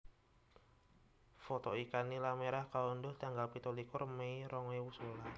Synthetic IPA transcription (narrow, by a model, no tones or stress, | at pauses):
fɔt̪ɔikanilameɾahkaɔndʊhd̪aŋɡalpit̪olikʊrmeiɾɔŋwewusola